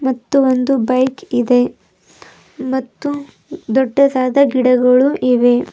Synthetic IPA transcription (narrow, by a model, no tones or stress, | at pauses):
mɐt̪ːuond̪ubɐjkid̪e̞ | mɐt̪ːu | d̪ɔɖːɐd̪aːd̪ɐɡiɽɐɡɐɭuʔiʋe̞